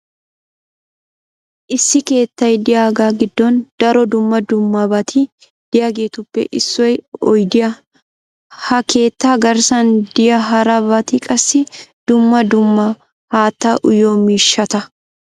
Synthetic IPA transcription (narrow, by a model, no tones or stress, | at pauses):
ʔɪsːɪke̞ːt̪ːɐjd̪ɪjaːɡaːɡɪd̪ːɔnd̪̥ɐɾɔd̪ʊmːɐd̪ʊmːɐbɐt̪ʰi | d̪̥ɪjɐɡeːt̪ʊpːɛ̰ʔɪsːɔjɔjd̪ɪjɐ | hɐke̞ːt̪ːaːɡɐɾsɐnd̪ɪjɐɦɐɾɐbɐt̪iːkʼɐsːɪd̪̥ʊmːɐd̪ʊmːɐ | haːt̪ːaʔʊjoːmiːʃːɐt̪ɐ